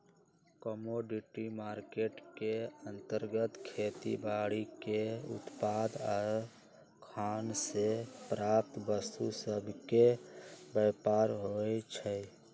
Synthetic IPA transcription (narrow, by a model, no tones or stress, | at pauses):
kəmoɖiʈimaːɾkeʈkeənt̪əɾɡət̪kʰet̪ḭbaɽikeʊ̰t̪pad̪ɔɾ | kʰansepɾaːp̚t̪bəst̪usəbʱkebəpaɾɦoɛt͡ʃʰə